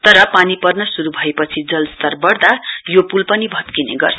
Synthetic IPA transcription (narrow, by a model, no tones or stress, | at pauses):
t̪ʌɾʌpanipʌrnʌsuɾubʱʌepʌt͡sʰid͡zʌlst̪ʌrbʌrd̪ajopulpʌnibʱʌt̪kinḛɡʌ̰rt͡sʰ